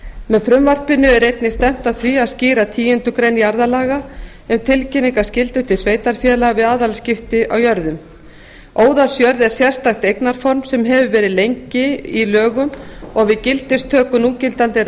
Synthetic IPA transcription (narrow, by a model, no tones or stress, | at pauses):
mɛðfɾʏmvar̥pɪnʏɛɾejt̪nɪst̪ɛm̥t̪aðθviaðsciːɾat̪ʰiːjɪnt̪ʏkɾejnjaɾðalaːɣa | ʏmt̪ʰɪlcɪniŋkascɪlt̪ʏt̪ʰɪlsveːjt̪aɾ̥fjɛːlavɪðaːðalscɪft̪ɪawjœɾðʏm | oːwðasjœɾðɛɾ̥sjɛr̥st̪axt̪ejknaɾ̥fɔɾmsɛmɦɛvʏvɛːɾɪðlejɲcɪilœːɣʏmɔɣvɪðcɪlt̪ɪst̪ʰœːkʏnuːcɪlt̪ant̪ɪ